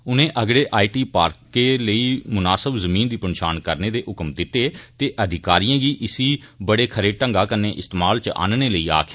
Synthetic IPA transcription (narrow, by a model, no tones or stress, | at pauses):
ʊnẽːʔəɡɽeːʔaːiʈiːpaːɾkeːləiːmʊnaːsəbzəmĩːnd̪iːpənʃaːnkəɾneːd̪eːʔʊkmd̪ɪt̪ːeːt̪eːʔəd̪ʱɪkaːɾijãːɡiːʔɪsiːbəɽeːkʰəɾeːʈəŋɡaːkənẽːʔɪst̪eːmaːlt͡ʃʔa̰ːnneːləiːa̰ːkʰː